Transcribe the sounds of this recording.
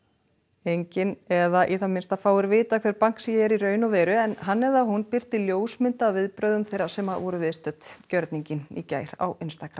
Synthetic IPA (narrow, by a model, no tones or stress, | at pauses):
ejɲcɪnɛðaʔiθamɪnst̪afaːwɪɾvɪːt̪akʰvɛːɾpaŋ̥ksijɛɾiɾœːɥnavɛːɾʏɛnɦanːɛðaɦunpɪr̥t̪ɪljoːwsmɪnt̪avɪðpɾœɥðʏmθejɾasɛmaðvɔɾʏvɪðst̪œt̪cœɾt̪niɲcɪnḭca̰ːjɾ̥a̰wʔɪnst̪akɾam